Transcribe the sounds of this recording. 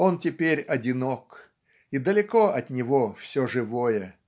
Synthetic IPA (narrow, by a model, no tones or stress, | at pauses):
ontʲɪpʲeɾʲɐdʲɪnok | id̪əlʲɪkoʔɐt̪nʲɪvofsʲoʐɨvojə